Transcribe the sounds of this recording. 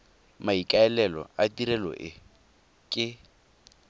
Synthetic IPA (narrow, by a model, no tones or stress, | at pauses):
maikʼaɛlɛlɔ̰atiɾɛlɔ̰ʔɪ | kʼɪ